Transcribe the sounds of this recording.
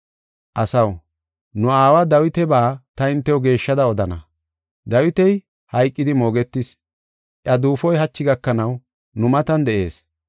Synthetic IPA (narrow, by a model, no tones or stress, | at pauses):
ʔɐsɐw | nʊaːwɐd̪ɐwɪt̪ɛbaːt̪ɐɪnt̪ːɛwɔɡe̞ːʃːɐd̪ɐɔd̪ɐnɐ̰ | d̪ɐwɪt̪ɛj | hɐjkʼːɪd̪ɪmo̞ːɡɛt̪ːɪs | ʔjɐd̪uːfɔjɦɐt͡ʃːɪɡɐkːɐnɐw | nʊmɐt̪ɐnd̪ɛʔe̞ːs